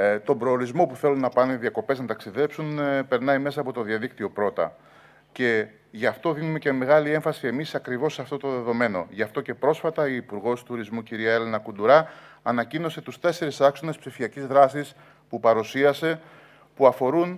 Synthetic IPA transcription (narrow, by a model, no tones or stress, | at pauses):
t̪o̞mbɾo̞ːɾizmo̞puθe̞lunːɐpɐnuiðiɐko̞pe̞znɐt̪ɐksiðe̞psunpe̞ɾnɐime̞sɐːpo̞t̪o̞ðiɐðikt̪io̞pɾo̞t̪ɐ̰ | ce̞ | ʝɐft̪o̞ðinume̞ce̞me̞ɣɐlie̞ɱfɐsie̞misɐkɾivo̞sːɐft̪o̞t̪o̞ðe̞ðo̞me̞no̞̰ʝɐft̪o̞ce̞pɾo̞sfɐt̪ɐiːpuɾɣo̞st̪uɾizmuciɾiɐe̞lenɐkund̪uɾɐːnɐcino̞se̞t̪ust̪e̞se̞ɾisɐkso̞ne̞spsifiɐcizðɾɐsis | pupɐɾusiɐse̞ | puɐfo̞ɾun